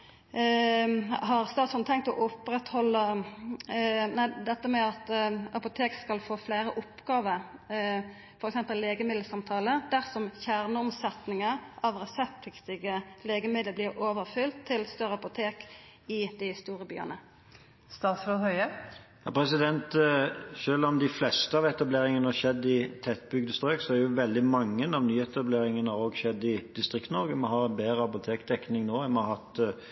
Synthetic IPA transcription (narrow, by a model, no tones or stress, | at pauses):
hɑʁst̪ɑːt̪sfod̪t̪ʰɛŋk̚t̪ɔʔʊpʁɛt̪hɔlːə | næɪd̪ɛt̪ːəmɛɑt̪ɑpʊt̪ʰeːkskɑlfoːfleːɾəʔʊpɡ̥ɑːʋəɾ | fɔɾɛksɛmpəlːeːɡəmɪd̪l̩sɑmt̪ʰɑːləd̪æʁsɔmçæʁnəʊmsɛt̪nɪŋəʔɑʋʁɛsɛp̚t̪ʰɪkt̪ɪɡəleːɡəmɪd̪ləblɪʁoːʋəʁfʏlt̪ʰːɪlst̪œʁəɑpʊt̪ʰeːk | ɪd̪ɪst̪uːɾəby̰ːə̰nə | st̪ɑːt̪sloːd̪hœʏəjɑ̰ːpʰɾɛsɪd̪ɛnt̪ʃøːlɔmd̪ɪflɛst̪əɑʋɛt̪ɑbleːɾɪŋənəɑʃɛd̪ːɪt̪ʰɛt̪̚ːbʏɡd̪əst̪ɾøːksɔɛɾjʊʋɛld̪ɪmɑŋːənɑʋnyːɛt̪ɑbleːɾɪŋənəhɑʁoːɡʃɛd̪ːɪd̪̥ɪst̪ɾɪkt̪nɔʁɡəmɔɦɑɾɛnbeːɾəɑpʊt̪ʰeːkd̪ɛknɪŋnoːɛmɔhɑt̪